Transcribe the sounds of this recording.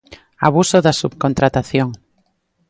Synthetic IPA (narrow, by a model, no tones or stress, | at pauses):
a̰β̞usoðasupkont̪ɾat̪aθjoŋ